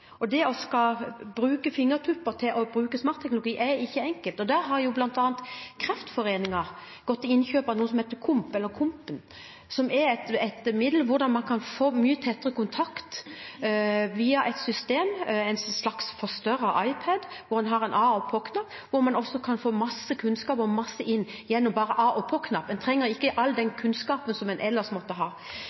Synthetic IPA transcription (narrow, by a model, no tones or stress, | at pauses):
ɔd̪ɛɔskɑbɾʉːkəfɪŋːəʁt̪ʰʉpːəɾt̪ʰɪlʔɔbɾʉːkəsmɑːɾt̪ʰːɛknlʊɡiːʔɛɪçːəɛŋkəlt̪ɔd̪æɾɦɑɾjublɑnt̪ɑːnt̪kʰɾɛft̪fɔɾeːnɪŋɑʁ | ɡ̥ɔt̪ːɪɪnçøːpɑʋnuːəsɔmheːt̪əkʰʊmpɛlːəkʰʊmpən | sɔmɛt̪ɛt̪əmɪd̪ləʋʊd̪ɑnmɑnkʰɑnfoːmyːət̪ʰɛt̪ːəʁəkʊnt̪ʰɑkt̪ | ʋiːɑʔɛɪt̪sʏst̪eːmɛɪnslɑksfɔst̪œɾəʔɑɪpʰɛd̪ʋʊɾɛnɦɑʁɛnʔɑːɔpʰoːkʰnɑpː | ʋʊɾmɑnɔsːɔkʰɑnfoːmɑsːəkʰʉnskɑːpɔmɑsːəʔɪnː | jɛnːɔmbɑːʁəʔɑːʔɔpʰoːkʰnɑp̪ːɛnt̪ʰʁɛŋːəɾɪkːəʔɑlːd̪ɛnkʰʉnskɑːpənsɔmɛnʔɛlːəʂmɔt̪ːəɦɑː